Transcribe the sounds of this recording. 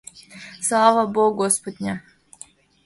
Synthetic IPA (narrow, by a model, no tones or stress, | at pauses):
saːʋaboɡospod̪ɲa